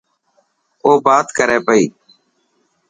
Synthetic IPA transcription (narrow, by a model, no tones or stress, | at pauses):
oːbaːt̪kəɾeːpəḭː